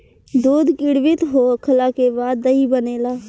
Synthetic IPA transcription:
d̪oːd̪kɪɽʋɪt̪ɦokʰəlaːkebaːd̪əibəneːlaː

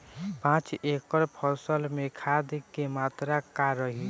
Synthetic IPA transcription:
pãːt͡ʃekəɾpʰɔsəlmẽkʰad̪kemaːt̪ɾakaɾəɦi

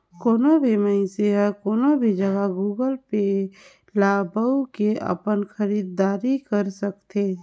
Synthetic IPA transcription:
koːnobʱiməɪ̃seɦɛkoːnobʱid͡ʒəɡaɡuːɡəlpe | laːbəukeə̰pənxəɾiːd̪ːaːɾikəɾsəkt̪eː

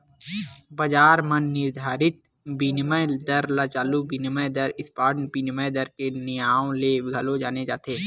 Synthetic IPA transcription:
bɐd͡ʒaːɾmənːɪɾd̪ʱaːɾɪt̪̚ | binməjd̪ɐɾlat͡ʃaːlubinɪməjd̪əɾɪspaːɾnpinməjd̪əɾkenɪjaːõleɡʱɐlod͡ʒaːned͡ʒaːt̪eː

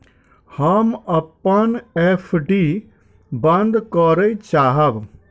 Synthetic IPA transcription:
hɐmɐpːənepʰɖi | bɐ̃nd̪kɔːɾəit͡ʃaːɦɐʋ

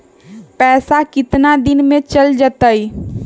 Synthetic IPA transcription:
pɛːsakɪt̪nad̪inmẽt͡ʃəld͡ʒət̪əj

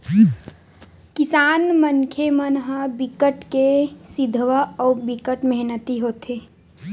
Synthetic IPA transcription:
kɪsaːnməŋkʰemənɦəbɪkəʈkesɪd̪ʱʋəɔːbɪkəʈməɦnət̪iɦoːt̪eː

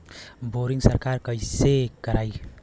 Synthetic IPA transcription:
boɾiŋsəɾkaɾkəjsekːəɾaj

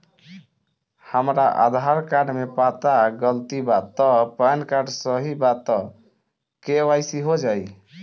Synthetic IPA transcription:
həmɾaʔa̰d̪ʱaɾkaɖmepat̪aɡəlt̪ibat̪ɔpənkaɖsəɦibat̪ɔ | kewajsiɦod͡ʒaj

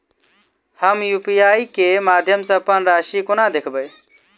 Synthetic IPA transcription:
həmjupijaːikemad̪ʱjəmsə̃əpənɾaːʃikonad̪ekʰbəj

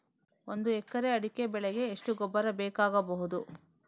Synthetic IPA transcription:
ond̪uɛkːɐɾeɐɽikebɛɭɛɡe̞ːʂʈuɡɔbːɐɾɐbeːkaːɡɐbɐɦud̪u

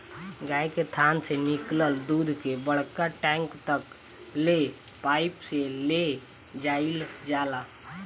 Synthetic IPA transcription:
ɡaːjket̪ʰaːnsenɪkləld̪uːd̪ʱkebəɽ̤kaʈɛ̃ːŋkt̪ək | le | paːɪpsele | d͡ʒaːild͡ʒaːla

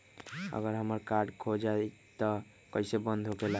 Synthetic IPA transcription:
ə̰ɡəɾɦəməɾkaɾɖkʰod͡ʒa | t̪ɔ | kəisebənd̪ʱɦokela

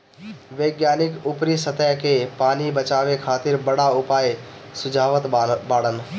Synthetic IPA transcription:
ʋeːɡjaːnɪkʊpɾisət̪əjkepaːnibət͡ʃaːʋekʰaːt̪ɪɾbɐɽaʊpaːj | sʊd͡ʒʱaːʋət̪baːɽən

